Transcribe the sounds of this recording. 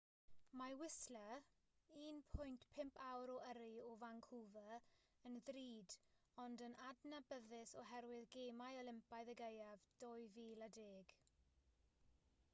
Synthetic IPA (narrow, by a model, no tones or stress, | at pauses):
mawɪslə | iːnpʰʊjntpʰɪmpʰawɾɔʔəɾɪɔvaŋkʰuvəənðriːdɔndənadnabəðɪsɔɦɛɾwɪðɡeːmajəlɪmpajðəɡejavd̥ɔjviːladeːɡ̥